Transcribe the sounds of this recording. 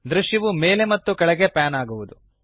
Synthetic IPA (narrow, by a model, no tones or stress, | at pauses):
d̪ɾuʃjɐʋume̞ːle̞mɐt̪ːukɐɭɛɡe̞paːnaːɡuʋud̪u